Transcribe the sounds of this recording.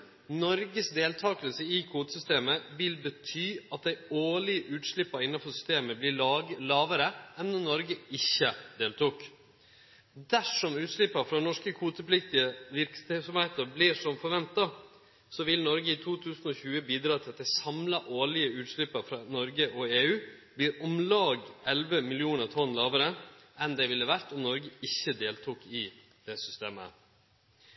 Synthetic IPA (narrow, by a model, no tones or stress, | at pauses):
nɔɾɡəsd̪eːlt̪ʰɑːkəlsəɪkʰuːt̪əsʏst̪eːməʋɪlbət̪ʰyːɑt̪̚d̪æɪoːɭɪəʔʉːt̪ʂɭɪpːɑɪnːɑfɔsʏ̥st̪eːməblɪlɑːʋəɾəɛnɔnnɔɾɡəɪçːəd̪eːlt̪uːk | d̪æʂɔmʉːt̪ʂɭɪpːɑfɾɑnɔʂkəkʰuːt̪əplɪkt̪ɪəʋɪɾkssɔmhæɪt̪əɾblɪʂɔmfɔɾʋɛnt̪ɑ | sɔʋɪlnɔɾɡəɪt̪ʰuːt̪ʰʉːsn̩ɔːçʉːəbiːd̪ɾɑːt̪ʰɪlɑt̪d̪ɛɪsɑmlɑʔoːɭɪəʉːt̪ʂlɪpːəɾfɾɑːnɔɾɡəʔɔeːʉːbliːɾɔmlɑːɡɛlʋəmɪlɪuːnəɾt̪ʰɔnːlɑːʋəɾəɛnd̪ɛʋɪlːəʋæɾt̪ɔmnɔɾɡəɪçːəd̪eːlt̪ʰukɪ | d̪̥ɛsʏst̪eːmə̰